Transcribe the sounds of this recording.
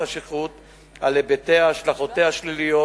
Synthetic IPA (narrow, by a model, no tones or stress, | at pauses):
aʃiχut̪ | alebet̪eaːʃlaχot̪ehaʃlilijo